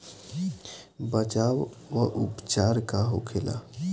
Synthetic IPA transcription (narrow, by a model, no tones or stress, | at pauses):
bət͡ʃaw | ʋəʔupt͡ʃaɾkaɦo̰kʰela̰